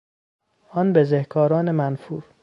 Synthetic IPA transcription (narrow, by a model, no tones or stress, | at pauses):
ʔɒnbezehkʰɒːɾɒːnemænfuːɾ